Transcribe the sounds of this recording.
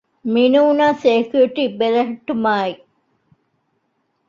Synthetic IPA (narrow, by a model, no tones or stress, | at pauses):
minuunaːseːkiuʈibelɐɦɐʈːumaːi